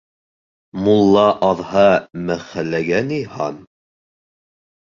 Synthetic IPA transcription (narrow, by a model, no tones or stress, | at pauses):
mulˠːɑʔɑðhɑmæχælːæɡænihɑn